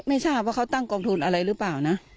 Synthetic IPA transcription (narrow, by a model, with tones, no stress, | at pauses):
ma˥˩jsʰaː˥˩p̚waː˥˩kʰa˦˥˩t̪a˥˩ŋkɔː˧ŋt̪ʰu˧nʔa˧ɾa˧jɾɯː˦˥paː˨˩wna˦˥ʔ